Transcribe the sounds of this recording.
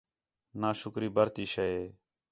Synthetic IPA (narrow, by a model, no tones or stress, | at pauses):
naːʃʊkɾiːbəɾt̪iːʃəeː